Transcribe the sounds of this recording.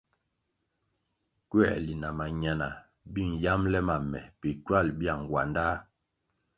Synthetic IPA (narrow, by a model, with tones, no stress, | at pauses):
kɥɛ̰˦˨li˨na˨ma˨ɲa˨na˨ | bi˦˨ŋ˨ja˦mlɛ˦ma˨mɛ˨pe˨kɥa˦˨lbja˦˨ŋ˨ɡwa̰˨nda˦